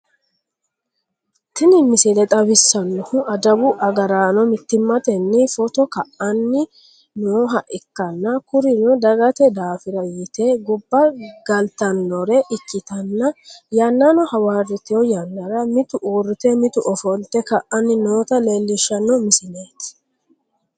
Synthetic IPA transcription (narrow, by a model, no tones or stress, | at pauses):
t̪ɪnɪmɪsɪlɛt̪ʼɐbɪsːɐnːɔhʊʔɐd̪ɐbʊʔɐɡɐɾaːnɔmɪt̪ːɪmːɐt̪ɛnːɪfɔt̪ɔkɐʔɐnːɪ | noːɦɐʔɪkːɐnːɐkʊɾɪnɔd̪ɐɡɐt̪ɛd̪aːfɪɾɐjɪt̪eɡʊbːɐɡ̥ɐlt̪ɐnːɔɾɛʔɪkːɪt̪ɐnːɐjɐnːanɔhɐwaːrɪt̪ɪjɔjɐnːɐɾɐmɪt̪ʊʔuːrɪt̪ɛmɪt̪ʊʔɔfɔlt̪ːɛkɐʔɐnːɪnoːt̪ɐleːlːɪʃːɐnːɔmɪsɪneːt̪ɪ̥